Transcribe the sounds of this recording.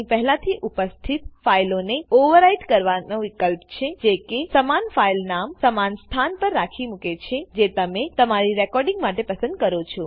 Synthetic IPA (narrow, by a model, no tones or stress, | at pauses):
ipɛɦlat̪ʰiʔupəst̪ʰit̪failoneoʋəɾaiʈkəɾʋanõʋɪkəlpt͡ʃʰed͡ʒekesəmanfailnamsəmanst̪ʰanpəɾːakʰimuket͡ʃʰed͡ʒet̪əmẽt̪əmaɾiɾɛkɔɾɖɪ̃ŋɡmaʈepəsə̃nd̪̚kəɾot͡ʃʰo